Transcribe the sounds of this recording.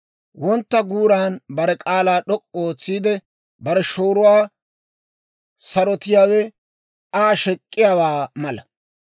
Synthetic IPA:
wɔnt̪ːɐɡuːɾaːnbɐɾɛkʼaːlaːɗɔkʼːoːt͡sːiːd̪ɛ | bɐɾɛʃoːɾʊwaː | sɐɾɔt̪ɪjaːwɛ | aːʃɛkʼːɪjaːwaːmɐlɐ

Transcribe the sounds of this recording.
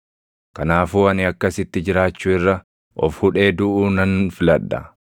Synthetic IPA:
kɐnaːfuːɐnɪɐkːɐsɪt̪ːɪd͡ʒɪɾaːt͡ʃːuːɪrːɐ | ʔɔ̰fhʊᶑe̞ːd̪ʊʔuːnɐnfɪlɐᶑːɐ̰

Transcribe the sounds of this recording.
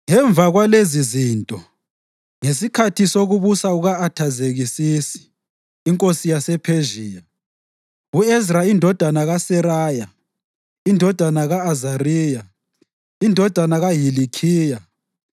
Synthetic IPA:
ŋɛɱb̪vʱaɣwaleziziːntʼɔ | ŋesikʰatʰisoɣuβusauɣaːtʰazeɣisisi̥ː | ŋkʼosijasɛpʰeʒiːja | uɛzraindʱɔd̥ʱanaɣasɛɾaːja | indʱɔd̥ʱanaɣaːzariːja | indʱɔd̥ʱanaɣaɦilikʰiːja

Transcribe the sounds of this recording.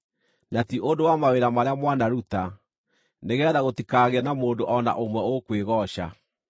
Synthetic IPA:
natiʔondowamaweɾamaɾeamwanaɾuta | neɣɛðaɣotikaɣeanamoːndoʔɔna̰ʔomwɛokweɣɔɕa̰

